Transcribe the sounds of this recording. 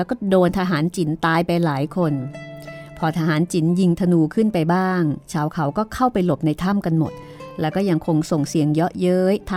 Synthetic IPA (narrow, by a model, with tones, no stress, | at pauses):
lɛː˦˥wkɔː˥˩doː˧nt̪ʰaː˧ɦaː˩˦nt͡ɕi˨˩˦nt̪aː˧jpa˧jlaː˩˦jkʰo˧n | pʰɔː˧t̪ʰaː˧ɦaː˩˦nt͡ɕi˨˩˦nji˧ŋt̪ʰa˧nuː˧kʰɯ˥˩npa˧jbaː˥˩ŋt͡ɕʰaː˩˦wkʰa˩˦wkɔː˥˩kʰa˥˩wpa˧jlo˨˩p̚na˧jt̪ʰa˥˩˨mka˧nmo̰˨˩t̪̚ | lɛː˦˥wkɔː˥˩ja˧ŋkʰo˧ŋso˨˩ŋsi˨˩˦əŋjɔ˦˥ʔjɤː˦˥jt̪ʰ